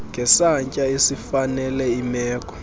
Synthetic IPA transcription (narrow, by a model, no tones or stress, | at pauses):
ŋɡʱɛsaɲcʼaesifanɛlɛimɛːkʼɔ̥